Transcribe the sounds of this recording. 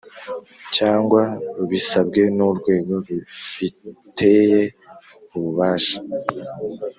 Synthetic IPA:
caːŋɡwaɾuβisabɡe̞nuɾɡwe̞ːɡo̞ɾufitʰeje̞ | uβuβaːʃḁ

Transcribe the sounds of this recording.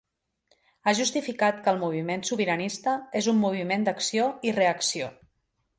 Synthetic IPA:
aʒust̪ifikat̪kəlˠmuβ̞imensuβiɾənist̪əezumːuβ̞imend̪əksioireəksio

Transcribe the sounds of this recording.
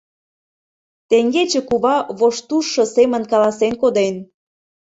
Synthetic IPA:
t̪eŋɡet͡ɕĕkuβɑβoʃt̪uʃːɤ̆semə̆nkɑlɑsenkod̪en

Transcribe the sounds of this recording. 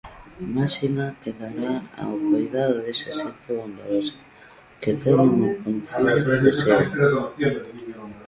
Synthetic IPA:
masinakeðaɾaa̰ok̪aiðaððesesent̪eβond̪a̰ðosḁ | ket̪eneŋukonfiesea

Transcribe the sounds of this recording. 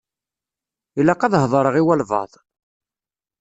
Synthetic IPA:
ilːɑqɑðɦðˤɾˤəʁiwælvɑ̰ðˤ

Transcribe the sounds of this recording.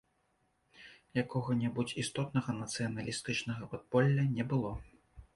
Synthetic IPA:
jakɔɣɐnʲɛbut͡sʲist̪ɔt̪nɐɣɐnɐt̪sɨjɐnɐlʲist̪ɨt͡ʂnɐɣɐpɔd̪̚pɔlʲːɐnʲɛbɨlˠɔ

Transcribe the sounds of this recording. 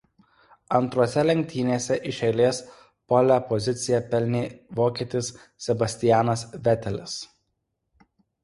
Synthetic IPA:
ɐnˑt̪ɾuɔsʲɛlʲɛŋʲk̚ʲt̪ʲiːnʲeːsʲɛʔɪʃʲɛɪlʲeːs | pɔlʲæpɔzʲɪt̪sʲɪjɛpʲɛlʲnʲeːʋoːkʲiːt̪ʲɪs | sʲɛbɐsʲt̪ʲɪjæːnɐsʋʲɛt̪ʲɛlʲɪs

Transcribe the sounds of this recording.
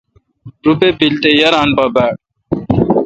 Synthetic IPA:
ɾupepilt̪ejɐɾaːnpɐbæːɽ̚

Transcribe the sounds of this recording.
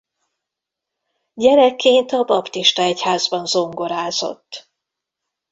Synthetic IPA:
ɟɛɾɛkːeːnt̪ɒbɒpt̪iʃt̪ɒɛchaːzbɒnzo̞ŋɡo̞ɾaːzo̞̰t̪ː

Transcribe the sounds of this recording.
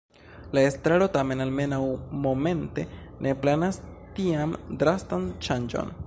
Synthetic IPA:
laestɾaɾo̞tame̞nalme̞nawmo̞me̞nte̞ | nʔe̞planas | tiamdɾastant͡ʃand͡ʒo̞̰n

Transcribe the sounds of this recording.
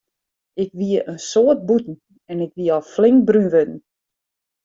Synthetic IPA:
ɪkʋiəʔənsoət̚butn̩ | ɛnɪkʋiəɔflɪŋk̚brynʋødn̩

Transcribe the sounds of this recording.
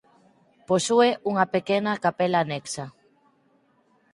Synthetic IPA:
posueʔuŋɐpekenakapelaneksɐ

